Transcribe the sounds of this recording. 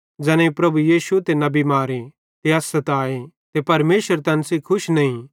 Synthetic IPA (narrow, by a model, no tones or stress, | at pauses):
d͡ʒɛːñẽipɾɐbujiːsut̪eːnɐ̃bimaːɾe | t̪eaːsɐt̪aːe | t̪epɐɾmeːʃəɾt̪ɛnsikʰʊʃnɐĩ